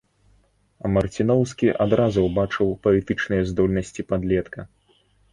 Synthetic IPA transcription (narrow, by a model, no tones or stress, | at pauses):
ɐmɐrt͡sʲinɔwskʲiʔad̪ɾazuwbat͡ʂɨwpɐlʲit̪ɨt͡ʂnɨjɐzd̪ɔlʲnɐsʲt͡sʲipad̪lʲɛt̪kɐ